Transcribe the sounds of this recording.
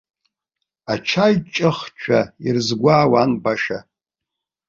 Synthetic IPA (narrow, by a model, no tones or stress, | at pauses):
at͡ʃʰajt͡ʃʼɨχt͡ʃʷʰairzɡʷaːwanbaʃa